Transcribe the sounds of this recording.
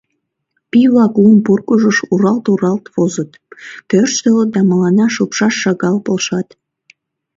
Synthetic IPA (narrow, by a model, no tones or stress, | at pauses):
piβlɑklumpurkəʒəʃuɾɑlt̪uɾɑlt̪βozət̪ | pørʃt̪ələt̪̚d̪ɑməlɑnɑʃəpʃɑʃːɑɣɑlpolʃɑt̪